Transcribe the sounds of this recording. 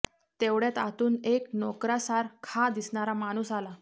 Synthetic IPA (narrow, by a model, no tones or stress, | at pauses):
t̪eʋɽet̪a̰t̪uːneknɔkɾasaɾkʰad̪isɳ̃aɾamaɽ̃uːsala